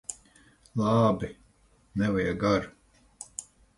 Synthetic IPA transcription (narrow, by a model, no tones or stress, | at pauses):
lˠɑːbi | nɛvajaɡaɾ